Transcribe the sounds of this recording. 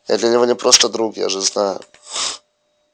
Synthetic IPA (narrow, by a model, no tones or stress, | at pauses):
ja̰d̪lʲɐnʲɪvo̞nʲɪpɾʔost̪əd̪ɾuɡja̰ʐɨznajʊ̰